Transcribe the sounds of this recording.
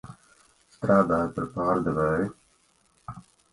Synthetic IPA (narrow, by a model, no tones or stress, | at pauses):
st̪ɾaːd̪aːɾpəɾpaːɾd̪əʋəːe